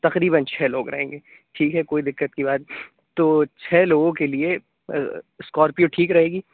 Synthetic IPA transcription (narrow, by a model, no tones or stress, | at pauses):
t̪ɐqɾiːbənt͡ʃʰɛːloːɡɾɐ̰ɦẽːŋɡeː | ʈʰiːkɦɛkoːid̪ɪkːət̪̚kibaːd̪̚ | t̪oːt͡ʃʰɛːloːɡõkelie | skɔːɾpijoʈʰiːkɾɐɦeːɡiː